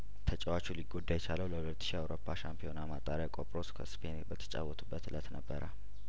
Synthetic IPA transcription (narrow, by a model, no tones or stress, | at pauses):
t̪ʰət͡ʃʼəwat͡ʃuliɡod̪ːajɛt͡ʃaləwləhulət̪ːɨ̥ʃiawɾo̞pʰːaʃampʰijo̞namat̪ʼaɾjakʼo̞pʼɾo̞skʰəspʰenbət̪ʰə̥t͡ʃʼa̰wːɔt̪ʰʼubːət̪ɨlət̪nəbːəɾʔə